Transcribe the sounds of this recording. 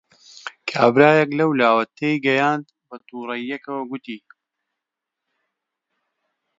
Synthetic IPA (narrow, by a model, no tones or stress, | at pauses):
kʰaːbɾaːjɐklɐwlaːwɐt̪ʰejɡɐjaːnd̪bɐt̪uːɾɐjːɐkɐwɐɡʊt̪iː